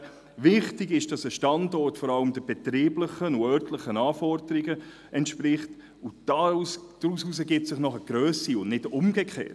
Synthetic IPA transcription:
vɪχtɪɡɪʃd̥ɑsəʃtɑndɔɾtfɔɾɑləmd̥əbetɾiːbləχənʊœɾtləχənɑːfɔɾdəɾɪɡə | ʔɛntʃpɾɪχt | ʊd̥ɑsd̥ɾususəɡɪp̚tsɪχnɔχəɡ̥ɾœːsiʊnnɪdʊmɡekʰχḛːt

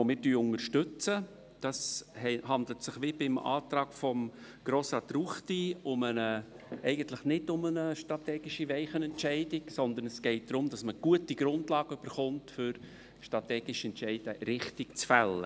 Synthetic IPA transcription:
omɪːɾtyːʊŋəɾʃtʏt͡sə | d̥ɑshɛhɑndlətsɪχʋɪbɪmɑ̰ːt̪ɾɑːkfɔm | ɡ̥ɾoːsɑt̪ruχtiʊmənə | ɛɪɡəntlɪχnɪdʊmənəʃtɾɑtɛːɡ̥ɪʃiʋɛɪχənɛntʃɛɪdɪksɔnd̪ənɛsɡ̥ɛɪt̚d̥̪ɾʊmdɑsməɡ̥uətiɡɾʊndlɑːɡ̥əʏb̥əɾχʊntfʏɾ | ʃtɾɑtɛːɡɪʃɛntt͡ʃɛɪd̥əɾɪχtɪkt͡sfɛlːə̰

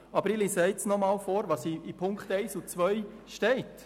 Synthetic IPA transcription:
ɑbəɾɪlisɛɪtsnɔmɑːlfoːɾʋɑsiipʰʊŋkχtɛɪsut͡sʋœʏ | ʃtɛɪt

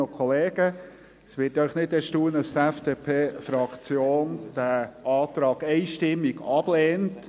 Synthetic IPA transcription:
ɔkʰχɔleːɡə | sʋɪːtœʏχnɪd̪ɛʃtuːənɑst̪ɛfd̥epʰeːfɾɑkt͡sjoːnd̥æʔɑːt̪ɾɑːɡɛɪʃtɪmːiɡɑb̥leːnt

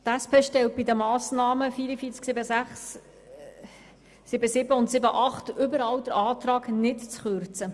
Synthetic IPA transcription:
t̪æspʰeːʃtɛlt̚b̥idəmɑːsnɑːməfiːɾəfiːt͡sksɪbəsæχs | ɪbəsɪbəʊntsɪbəʔɑχtʏbəɾɑwd̥əɾʔɑːtɾɑːknɪtt͡sχʏɾt͡sə

